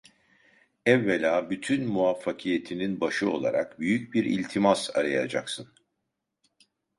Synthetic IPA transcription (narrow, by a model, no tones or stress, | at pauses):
ɛvːelʲaːbyt̪ʰynmuafːakʰije̞t̪ʰininbaʃɯo̞̰lˠa̰ɾa̰kbyjycbiɾḭlʲt̪ʰimaza̰ɾaja̰d͡ʒa̰ksɯn